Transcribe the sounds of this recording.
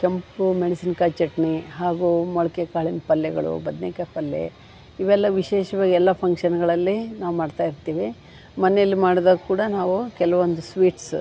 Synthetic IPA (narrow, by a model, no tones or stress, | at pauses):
kempumeɽisinkaːt͡ʃɐʈniɦaːɡumɔɭɐkekaːɭinpɐlːɛɡɐ̰ɭṵbɐd̪nekɐpɐlːḛ | iʋɛlːɐʋiʃɛːʃɐʋaːɡɛlːɐpʰɐŋkʂɐnɡɐɭɐlːinaːʋumaːɖt̪aːjiɾt̪iːʋi | mɐnejɐlːimaːɽd̪ɐːkkuːɽɐnaːʋukɛlɐʋond̪usʋiːʈs